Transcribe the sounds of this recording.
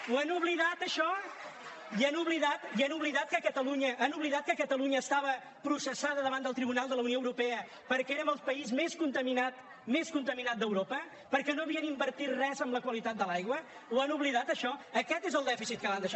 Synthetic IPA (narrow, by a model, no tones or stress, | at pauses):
uənuβliðat̪əʃɔ | iənuβliðat̪iənuβliðat̪̚kəkət̪əluɲəʔːnuβliðat̪̚kəkət̪əluɲəːst̪aβə | pɾusəsaðəðəβand̪əlˠt̪ɾiβunalˠd̪ələunioəwɾupɛə | pəɾkɛeɾəmbəlˠspəizmeskunt̪əminat̪ | meskunt̪əminat̪̚d̪əwɾopə | pəɾkɛnoəβiənimbəɾt̪it̪rɛzəmbləkwəlit̪at̪̚d̪əlajɣwə | wanuβliðat̪əʃɔəkɛt̪ezəlˠd̪ɛfisit̪kəland̪əʃ